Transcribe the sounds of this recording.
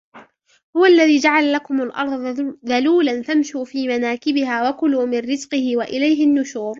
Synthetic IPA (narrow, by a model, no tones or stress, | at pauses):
hʊwaʔalːaðiːd͡ʒaʕalalakʊmalʔɑ̰ɾˤðˤðaluːlanθamʃuːfiːmanaːkɪbɪɦaːwakʊluːmɪnɾɪzqɨhɪwaʔɪlajɦɪnːʊʃuːɾ